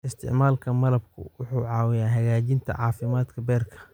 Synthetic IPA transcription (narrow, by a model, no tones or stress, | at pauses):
ʔɪst̪ʰɪ̰ʕmaːlkʰɐmɐlɐb̚kʰʊ̰wʊħuːʕɑːwɪjaːɦɐɣaːt͡ʃɪnt̪ʰɐ̰ʕɑːfɪmaːd̪kʰɐbɛːrkʰɐ̥